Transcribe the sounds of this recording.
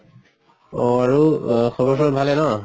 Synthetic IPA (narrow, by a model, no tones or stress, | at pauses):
oaɹuxɔbɔsɔbʱalɛnɔ